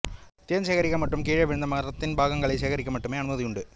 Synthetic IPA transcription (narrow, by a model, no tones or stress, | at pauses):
t̪ɪjɐnsɛɣɐɾɪɣːɐmɐʈrɯmkiːɻɐʋɪɻɯnd̪ɐmɐɐɾɐt̪ːɪnbʱaːɣɐŋɡɐɭɐɪsɛːɣɐɾɪkʲːɐmɐʈːɯmeːɐnɯmɐðɪjʊɳɖɯ